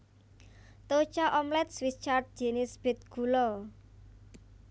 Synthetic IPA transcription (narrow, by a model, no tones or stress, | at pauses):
t̪ot͡ʃaʔɔmlɛt̪̚swist͡ʃard̪̚d͡ʒenɪsb̥et̪̚ɡ̥ulɔ